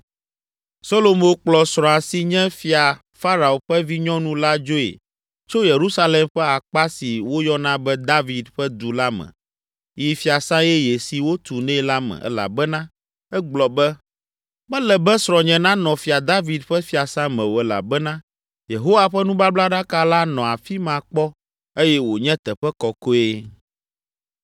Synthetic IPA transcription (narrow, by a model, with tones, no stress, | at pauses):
so˦lo˨mo˨k͡plɔ˨sɾɔ̃˨a˨si˦ɲɛ̃˦fi˨a˨ | fa˦ɾa˨o˨ɸɛ˦vi˦ɲɔ̃˦nũ˦la˦d͡ʒo˦ḛ˨ | t͡ʃo˦je˨ɾu˦sa˦le˨mɸɛ˦a˨k͡pa˦si˨wo˦jɔ˦nã˦bɛ˦d̪a˦vi˨d̪ɸɛ˦d̪u˨la˦mɛ̰̃˨ | ji˨fi˨a˨sã˦jɛ˦je˨si˨wo˦t̪u˨nɛ̃˦la˦mɛ̰̃˨ʔɛ̰˦la̰˨bɛ˦nã˦ | ɛ˦ɡ͡blɔ˨bɛ˦ | mɛ̃˦lɛ˨bɛ˦sɾɔ̃˨ɲɛ̃˨nã˦nɔ̃˨fi˨a˨d̪a˦vi˨d̪ɸɛ˦fi˦a˨sã˦mɛ̃˨wo˨ɛ˦la̰˨bɛ˦nã˦ | je˨ɦo˦wa˨ɸɛ˦nũ˦ba˦bla˦ɖa˦ka˦la˦nɔ̃˨a˨fi˦mã˨k͡pɔ˦ | e˦jɛ˦wo˨ɲɛ̃˦t̪ɛ˨ɸɛ˦kɔ˨ko˦e˦